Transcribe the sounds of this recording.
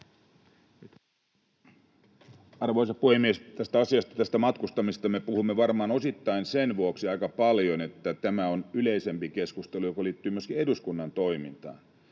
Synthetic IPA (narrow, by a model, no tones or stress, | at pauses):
ɑrʋoisɑpuhemːiest̪æst̪æɑsiɑst̪ɑ̥t̪æst̪æmɑt̪kust̪ɑmist̪ɑmepuhumːeʋɑrmɑːno̞sit̪ːɑinsenʋuoksiɑikɑpɑljonet̪ːæt̪æmæonyleisempikeskust̪elujokoliːt̪ːyːmyøskieduskunːɑnt̪oimḭnt̪ɑ̰ːn